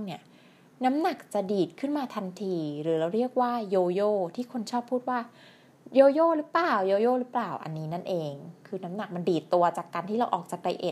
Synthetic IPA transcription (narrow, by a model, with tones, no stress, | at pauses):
ni˥˩ɐ | na˦˥mna˨˩k̚t͡ɕa˨˩diː˨˩t̪̚kʰɯ˥˩nmaː˧t̪ʰa˧nt̪ʰiː˧ɾɯː˩˦ɾa˧wɾi˥˩ək̚waː˥˩joː˧joː˥˩t̪ʰiː˥˩kʰo˧nt͡ɕʰɔː˥˩pʰːuː˥˩t̪̚waː˥˩ | joː˧joː˥˩˨ɾɯ˦˥plaː˨˩wjoː˧joː˥˩ɾɯ˦˥plaː˨˩wʔa̰˧nːiː˦˥na˥˩nʔeː˧ŋkʰɯː˧na˦˥mna˨˩k̚ma˧ndiː˨˩t̪ːu˧ɐt͡ɕaː˨˩kːaː˧nt̪ʰiː˥˩ɾa˧wʔɔː˨˩k̚t͡ɕaː˨˩k̚da˧jʔḛ˨˩t̪̚